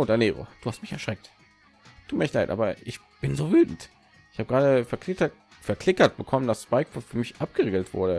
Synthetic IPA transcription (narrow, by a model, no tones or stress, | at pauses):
ʔoːdaneːʁo̰d̥uːhastmɪçɛɐʃʁ̥ɛk̚t | tʰuːtmiːɐçlaɪtʔa̰ːbɐʔɪç | b̥ɪnzoːvyːtn̩t | ʔɪçhaːbəɡʁaːdəfɛɐkɪɐ | fɛɐkl̥ɪkɐt̚b̥əkʰɔmənd̥asspaɪkfɔfyːɐmɪçʔap̚ɡ̥əʁeːɡl̩tv̥ʊ̰ɐɾə